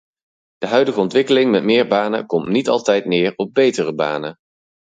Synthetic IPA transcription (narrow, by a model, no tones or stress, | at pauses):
d̥əɦœɥdəχəɔntʋɪkəlɪŋmɛtmɪːɹbaːnə̰kɔmtnitɑ̰lˠtɛjtnɪːɹɔb̚bejtərəba̰ːnə